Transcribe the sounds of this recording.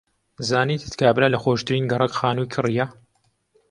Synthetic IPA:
zaːniːt̪ʰɨt̪kʰaːbɨlalɐxoːʃt̪ɨɾiːnɡɐrɐkxaːnujkʰɨrijɐ

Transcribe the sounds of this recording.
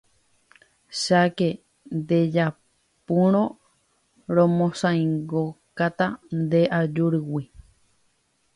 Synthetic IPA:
ʃake | nd̪ed͡ʒa | pũɾ̃õ | ɾõmõsãĩŋɡokat̪and̪eʔad͡ʒuɾɨwi

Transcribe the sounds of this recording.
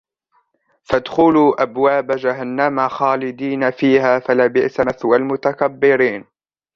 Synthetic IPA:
fad̪xʊluːʔabwaːbad͡ʒaɦanːamaxaːlɪd̪iːnafiːhaːfalaːbɪʔsaaθwalmʊt̪akabːɪɾiːn

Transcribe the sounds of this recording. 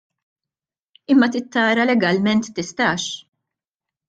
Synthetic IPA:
ɪmːɐt̪ɪt̪ːɐːɾɐlɛɡɐlmɛnt̪ːɪst̪ɐːʃ

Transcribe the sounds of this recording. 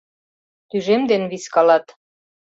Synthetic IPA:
t̪yʒemd̪enβiskɑlɑt̪

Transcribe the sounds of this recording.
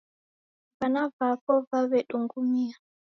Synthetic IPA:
vanavapɔvawɛɗuŋɡumia

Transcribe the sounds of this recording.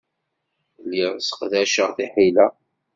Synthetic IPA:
liɾˤsə̥qðæʃəʁθiħilæ

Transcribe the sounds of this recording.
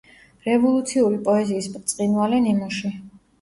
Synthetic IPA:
ɾɛvɔlˠut̪sʰiuɾipʼɔɛziːspʼt̪sʼqʼinvalɛnimɔʃi

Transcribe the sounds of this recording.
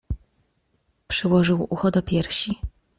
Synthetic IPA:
pʂɘwɔʐɘwuxɔd̪ɔpʲjɛɾɕi

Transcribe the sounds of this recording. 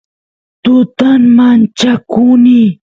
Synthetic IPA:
t̪ʊt̪aŋmant͡ʃakuni

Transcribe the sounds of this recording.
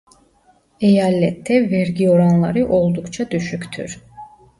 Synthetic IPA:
ejalːɛt̪ʰːɛvɛɾɟioɾanlˠɑɾɯʔo̞lˠd̪ukt͡ʃʰad̪yʃykʲt̪ʰy̰ɾ

